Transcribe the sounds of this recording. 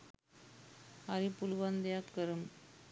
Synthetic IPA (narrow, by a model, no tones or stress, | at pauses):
ɐɾipulʋɐnd̪jakːɐɾɯm